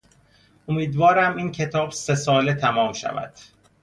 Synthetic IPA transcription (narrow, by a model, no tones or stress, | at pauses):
ʔomiːd̪vɒːɾæmiːncʰe̞t̪ʰɒːbse̞sɒːlet̪ʰæmɒːmʃæ̰væ̰d̪̥